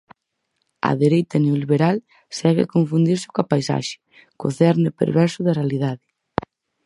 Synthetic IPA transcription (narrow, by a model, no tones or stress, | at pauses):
ɐ̰ðeɾejt̪ɐneoliβeɾal | saɣɪ̰koɱfund̪iɾsɪ̥koapajsa̰ʃɪ̥ | ko̰θɛɾnɪpḛɾβɛɾsʊðɐrealiðaðɪ